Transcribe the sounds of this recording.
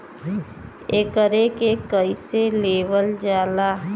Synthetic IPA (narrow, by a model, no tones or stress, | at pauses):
eːkəɾekekəiseleːʋəld͡ʒaːla